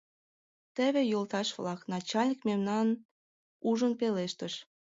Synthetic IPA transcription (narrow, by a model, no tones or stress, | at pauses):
t̪əβĕjolt̪ɑʃβlɑknɑt͡ɕɑlʲnʲik̚memnɑn | uʒə̆npeleʃt̪əʃ